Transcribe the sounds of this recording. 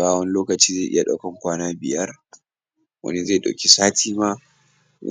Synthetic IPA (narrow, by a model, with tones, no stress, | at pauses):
aː˦wɐ˦n˦loː˦kɐ˨t͡ʃiː˦za˦˨ʔɪ̰˦ja˨ɗa̰˦˨kɐ˦˨ŋkʷaː˦naː˦bɪ̰˨jɐ˦r | wɐ̰˦ni˦za˦˨ɗa̰˨kʲi˦saː˦tʰiː˦ma˦ | w